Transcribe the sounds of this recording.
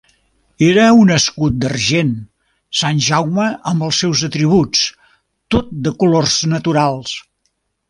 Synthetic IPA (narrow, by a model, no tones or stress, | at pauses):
eɾəunəskut̪̚d̪ərʒen | sanʲʒawməʔəmbəlˠsːɛwzət̪ɾiβ̞ut͡s | t̪ot̪̚d̪əkulorznət̪uɾalˠs